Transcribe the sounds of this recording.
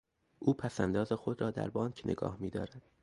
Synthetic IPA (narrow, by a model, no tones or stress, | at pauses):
ʔuːpʰæsænd̪ɒːzexo̞d̪ɾɒːd̪æ̰ɾbɒːncʰnʔḛɡɒ̰ːhmiːd̪ɒ̰ːɾæd̪̥